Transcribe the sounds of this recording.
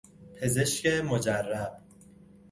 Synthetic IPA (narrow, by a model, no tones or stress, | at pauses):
pʰe̞ze̞ʃcemod͡ʒærːæb̥